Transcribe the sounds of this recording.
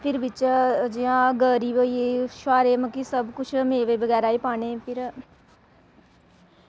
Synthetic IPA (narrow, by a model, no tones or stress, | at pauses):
pʰɪɾbɪt͡ʃd͡ʒiãːɡəɾiːbəieʃʋaːɾeːməkisəbkʊt͡ʃʰmeːʋeːbəɡɛːɾaːiːpaːneːpʰɪɾ